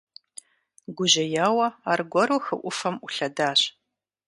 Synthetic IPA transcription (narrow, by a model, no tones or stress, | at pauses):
ɡʷʊʑɐjaːwɐaːrɡʷɔɾuxɨʔʷʊfɐmʔʷʊɬɐdaːɕ